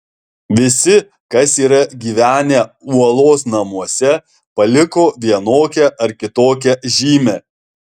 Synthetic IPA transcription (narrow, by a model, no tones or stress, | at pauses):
ʋʲɪsʲɪ | kɐsiːɾɐɡʲiːʋʲæːnʲeuɔlˠoːsnɐmuɔsʲɛ | pɐlʲɪkoːʋʲiɛnoːkʲɛʔɐɾkʲɪt̪oːkʲɛʒʲiːmʲɛː